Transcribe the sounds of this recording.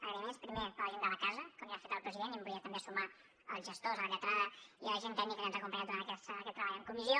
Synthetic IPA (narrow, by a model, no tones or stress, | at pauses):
əɣɾəmespɾimepəlʒend̪əlɐkazəkomiafet̪əlˠpɾəziðenəmbuiət̪əmbesuma | əlˠzʒəst̪ozləʎət̪ɾaðəiələʒent̪ɛnikəanzəkumpaɲant̪uoɾanəkɛkɛt̪ːɾəβaʎəŋkumizio